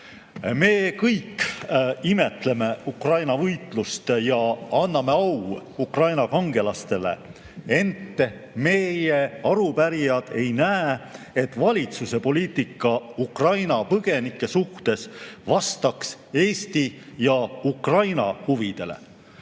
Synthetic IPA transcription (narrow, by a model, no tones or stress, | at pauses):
me̞ːkɤjkː | ime̞t̪ˑle̞me̞ukrɑjnɑvɤjt̪ˑlust̪jɑɑnːɑme̞ɑwukrɑjnɑkɑŋɡe̞lɑst̪e̞le̞̰ | e̞nt̪ːeme̞jeɑɾupæɾijɑd̪̥e̞jnæːe | e̞t̪ːˑvɑlʲit̪suse̞po̞liːt̪ˑikːˑɑukrɑjnɑpɤɡ̥e̞nikːˑe̞suht̪e̞svɑst̪ɑkse̞ːst̪ijɑukrɑjnɑ̰huvid̪̥e̞le̞̰